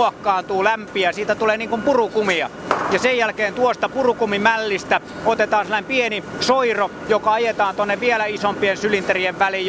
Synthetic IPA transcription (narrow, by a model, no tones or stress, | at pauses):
ɑkːɑːnt̪uːlæmpiæsiːt̪æt̪uleːniːŋkumpurukumiɑ̰jɑsejjælkeːnt̪uost̪ɑpurukumimælːist̪æot̪et̪ɑːnselːɑnempienisoiro | jokɑɑjet̪ɑːnt̪uonːeʋʋielæisompiensylint̪erieʋʋælij